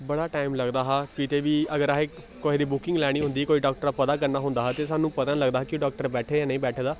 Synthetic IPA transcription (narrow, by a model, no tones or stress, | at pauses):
bəɽaːʈaːɪmləɡd̪aːɦaːkɪt̪ʰeːʋiːəɡəɾaːɦeː | koːɦid̪iːbʊkɪ̃ŋɡlɛːɽ̃iːɦʊ̃nd̪iːkoːiːɖɔːk̚ʈəɾapət̪aːk̬əɾnaːɦʊ̃nd̪aːɦːt̪eːs̬aːnũːpət̪ə̃nləɡd̪aːɦkɪɖɔːk̚ʈəɾbɛːʈʰeːaːnə̃ĩːbɛːʈʰeːd̪aː